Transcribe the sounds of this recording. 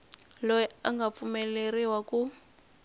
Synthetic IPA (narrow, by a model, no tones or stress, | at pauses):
lɔjɛaŋɡap̪fumɛleriwaku